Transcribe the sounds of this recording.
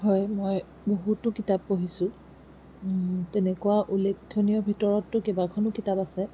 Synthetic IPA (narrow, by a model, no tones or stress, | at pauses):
ɦɔjmoj | boɦutːʊkitabːoɦisʊ | tɛnɛkuwaʔulekʰːonijɔbʱitɔɹɔtːʊkebakʰɔnʊkitapasɛ